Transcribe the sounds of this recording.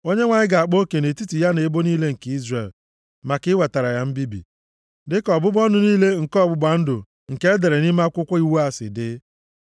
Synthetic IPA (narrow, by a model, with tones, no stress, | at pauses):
o˦ɲe˦ŋʷa˨ɲɪ˦ɡa˨a˨k͡po˦ke˨ne˨ti˦ti˨ja˦ne˨˦bo˦niː˦le˦ŋ̩˨ke˦i˦zre˨l | ma˨kɪ˦we˨ta˨ɾa˨ja˦m̩˦bi˦bḭ˨ | dɪ˦kɔ˨bʊ˦bɔ˦nʊ˦niː˦le˦ŋ̩˨kɔ˦˨bʊ˦ba˨n̩˦dʊ̰˨ | ŋ̩˨ke˦e˦de˨ɾe˨ni˦ma˦kʷʊ˦kʷa˦i˦wu˦a˨sɪ̰˨dɪ˦